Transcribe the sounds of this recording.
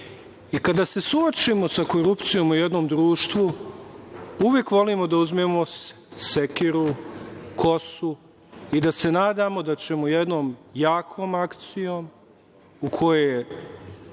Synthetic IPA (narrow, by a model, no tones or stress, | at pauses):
ikad̪aːse̞suot͡ʃimo̞sako̞ɾupt̪sijo̞ːmujed̪no̞ːmd̪ɾuːʃt̪ʋu | uʋjeːkʋo̞limo̞d̪auzmemo̞s | sekiɾukʰo̞su | id̪ase̞naːd̪amo̞d̪at͡ɕe̞mojed̪no̞ːmjaːkʰo̞ːmakt̪sijo̞ːm | ukʰo̞jeje